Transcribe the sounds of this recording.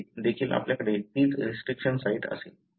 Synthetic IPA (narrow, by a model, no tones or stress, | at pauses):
d̪ekʰiːlʔa̰pljakəɽet̪iːt͡sɾisʈɾikʂənsaiʈə̰se